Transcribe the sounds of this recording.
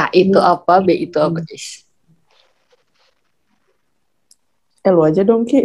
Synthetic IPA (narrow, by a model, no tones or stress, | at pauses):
aʔit̪uʔapabɛʔit̪uapaʔɛs | ɛluad͡ʒadɔŋki